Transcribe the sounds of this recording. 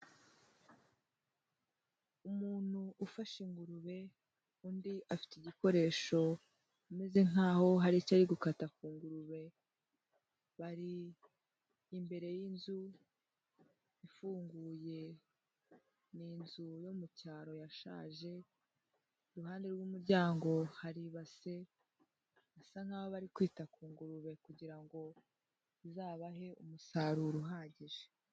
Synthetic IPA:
umuːn̥huʔːfaʃiŋɡuɾuβe̞ | undiʔafi̥tiɟiko̞ɾe̞ːʃo̞ | ume̞ze̞ŋ̥aːho̞ɦaɾicaɾiɡukatakuːŋɡuɾuβe̞ | βaɾi | mbe̞ɾe̞jinzu | ifuːŋɡuːje̞ | niːnzujomucaːɾo̞jaʃa̰ːʒe̞ | ɾuɦaːnde̞ɾɡuːmuɾɟaːŋɡo̞haɾiβase̞ | asaŋ̥haːβoβaɾikwiːtakuːŋɡuɾuβe̞kuɟiɾaŋɡo̞ | izaːβaɦe̞umusaːɾuɾuɦaːɲɟiʒe

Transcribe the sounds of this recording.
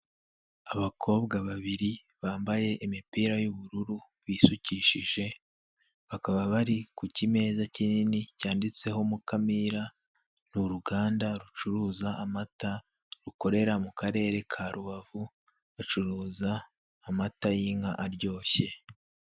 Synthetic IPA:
aβakʰo̞ːβɡaβaβiɾi | βaːmbaje̞ʔimipiːɾajuβuɾuɾu | βiːsuciʃiʒe̞ | βakaβaβaɾikucime̞ːzacininicaːndit͡se̞ɦo̞mukamiɾa | nuɾuɡaːndaɾut͡ʃuɾuːzaːmata | ɾuko̞ɾe̞ɾamukaɾe̞ːɾe̞kʰaːɾuβavu | βat͡ʃuɾuːzaː | matajiŋaʔaɾɟo̞ːçe̞

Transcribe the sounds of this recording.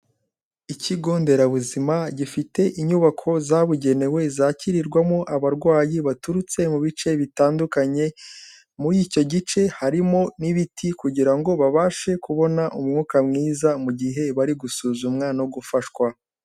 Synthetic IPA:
iciɡoːnde̞ɾaβuzimaɟifite̞ʔiɲuβakʰo̞zaβuɟe̞ne̞we̞zaːciɾiɾɡwamo̞ʔaβaɾɡwaːjiβatuɾut͡se̞muβit͡ʃe̞βitaːndukaɲe̞ | muɾico̞ɟit͡ʃe̞haɾimo̞niβitʰikuɟiɾaŋɡo̞βaβaːʃe̞kuβo̞naʔumŋuːkamŋiːzamuɟiɦe̞βaɾiɡusuːzumŋanoɡufaʃkwa

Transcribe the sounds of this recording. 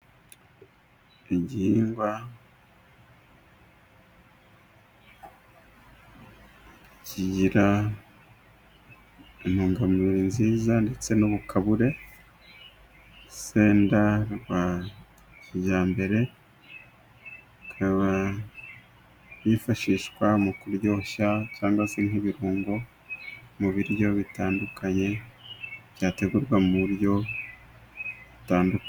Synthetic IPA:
eɟihiːŋɡwa | ciɟiɾa | emuːŋɡamɾinziːzandet͡se̞noβukʰaβuɾe̞ | seːndaɾɡwa | jaːmbe̞ɾe̞ | kʰaβa | βifaʃiːʃkwamukuɾjo̞ːʃacaːŋɡwase̞ŋiβiɾuːŋɡo̞ | muβiɾjo̞βitaːndukʰaɲe̞ | β̥jaːte̞ɡuɾɡwamuɾjo̞ | βutaːnduk

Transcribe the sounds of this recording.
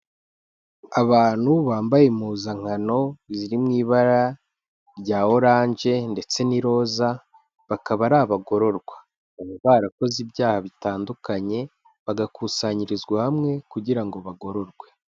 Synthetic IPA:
aβaːn̥huβaːmbajemuːzaŋ̥ano̞ziɾimŋiːβaɾa | ɾɟaːo̞ɾaːɲʒe̞nde̞t͡se̞niɾo̞ːza | βakaβaɾaβaɡo̞ɾo̞ɾɡwa | aβoβaːɾako̞zibjaːhaβitaːndukaɲe̞ | βaɡakusaɲiɾizɡwahamŋe̞kuɟiɾaŋɡo̞βaɡo̞ɾo̞ɾɡwe̞

